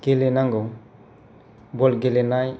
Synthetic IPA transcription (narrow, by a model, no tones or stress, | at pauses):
ɡelenaŋɡo | bolɡelenaj